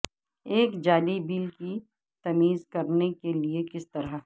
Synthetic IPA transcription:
eːkd͡ʒaːlibiːlki | t̪ɐmiːzkɐɾnekeliekɪst̪ɐɾəɦ

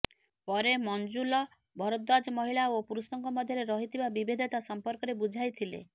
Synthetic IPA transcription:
pɔɾemɔnd͡ʒulɔ | bʱɔɾɔt̪̚d̪ad͡ʒɔmɔɦiɭaopuɾusɔŋkɔmɔd̪ʱjɔɾeɾɔɦit̪ʰibabibed̪ʱɔt̪asɔmpɔɾkɔɾebud͡ʒʱajt̪ʰilḛ

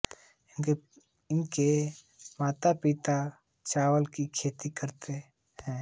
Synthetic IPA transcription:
ɪnke | maːt̪apɪt̪a | t͡ʃaːwəlkikʰeːt̪ikəɾt̪e | ɦɛ̃ː

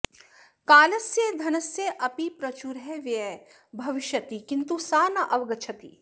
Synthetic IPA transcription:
kaːlɐsjed̪ʱɐnɐsjeʔɐpipɾɐt͡ʃuɾɦɛʋjɛ | bʱɐʋɪʃjɐt̪ikint̪usaːnɐʔɐʋɐɡɐt͡ʃʰɐt̪ḭ

